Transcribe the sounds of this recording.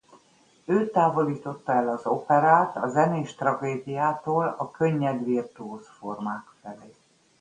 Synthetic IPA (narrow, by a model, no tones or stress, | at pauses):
øːt̪aːvo̞liːt̪o̞t̪ːɒɛlɒzo̞pɛɾaːt̪ɒzɛneːʃt̪rɒɡeːd̪ijaːt̪oːlɒkø̞ɲːɛd̪ʋirt̪uoːsformaːkfɛleː